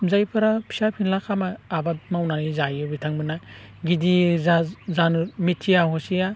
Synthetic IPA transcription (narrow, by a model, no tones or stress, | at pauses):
zajpʰɯɾapʰi̥sapʰinlakʰamaːbat̚mawnanizajɯbitʰaŋbɯna | ɡidi | zanmitʰːijaɦɔsija